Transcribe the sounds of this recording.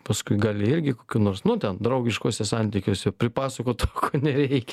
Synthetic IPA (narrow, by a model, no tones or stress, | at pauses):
pɐskʊɪɡɑːlʲɪɪɾʲɡʲɪkoːkʲuːnoːrsnʊt̪ʲɛnd̪ɾɐʊɡʲɪʃkoːsʲɛsɑnʲt̪ʲikʲoːsʲɛpʲɾʲɪpɑːsɐkoːt̪okoːnʲɛɾʲɛɪkʲɛ